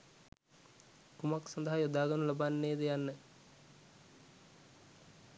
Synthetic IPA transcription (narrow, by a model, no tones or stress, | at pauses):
kumaksɐnd̪əɦajod̪aːɡənulabanːeːd̪əjanːə